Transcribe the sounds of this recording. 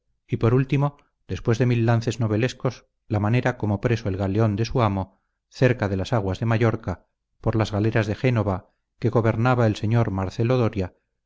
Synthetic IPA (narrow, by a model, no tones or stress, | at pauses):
ipo̞ɾult̪imo̞ | ð̥e̞spwe̞zðe̞milːanθe̞zno̞β̞e̞lesko̞s | lamane̞ɾako̞mo̞pɾe̞so̞e̞lɣaleo̞nd̪e̞suamo̞ | θe̞ɾkaðe̞lasaɣ̞wazðe̞maʝo̞ɾka | po̞ɾlazɣaleɾazðe̞xe̞no̞βa | ke̞ɣo̞βe̞ɾnaβae̞lse̞ɲo̞ɾmaɾθeloðo̞ɾja